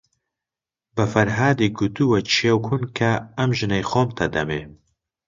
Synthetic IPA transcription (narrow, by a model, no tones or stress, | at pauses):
bɨfɐɾɦaːd̪eɡut̪uwɛt͡ʃʰiewkʰunkʰɐɐmʒɨnɛjxoːmt̪ʰɐd̪ɐme